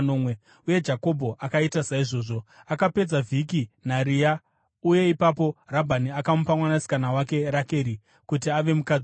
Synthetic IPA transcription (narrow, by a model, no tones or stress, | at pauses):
nomwe | uje̞d͡ʒako̞bʱo̞ʔakaitasaiʐo̞ːʐo̞akape̞d͡zavʱikinaɾija | uje̞ipapo̞rabʱaniakamupamwanasi̥kanawake̞ɾake̞ɾi | kut̬iaʋe̞muka